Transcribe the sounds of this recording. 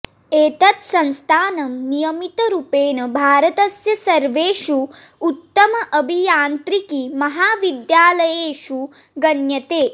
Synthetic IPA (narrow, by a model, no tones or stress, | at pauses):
eːt̪ɐt̪sɐnst̪ʰaːnɐmnijɐmit̪ɐɾupeːnɐbʱaːɾɐt̪ɐsjɐsɐɾʋeːʃuut̪ːɐmɐʔɐbʱijaːnt̪ɾikimɐɦaːʋid̪jaːlɐjeːʃu | ɡɐnjɐt̪eː